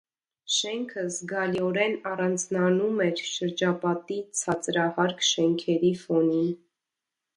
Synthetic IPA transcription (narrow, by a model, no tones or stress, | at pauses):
ʃɛŋkʰəzɡɑliɔɾɛnɑrɑnd͡znɑnumɛɾʃəɾd͡ʒɑpɑt̪it͡sʰɑt͡sɾɑhɑɾkʰʃɛŋkʰɛɾifɔnin